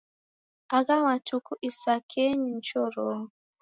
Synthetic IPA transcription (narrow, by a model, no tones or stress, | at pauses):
aɣawatukuʔisakʰɛɲin̩t͡ʃɔɾɔŋ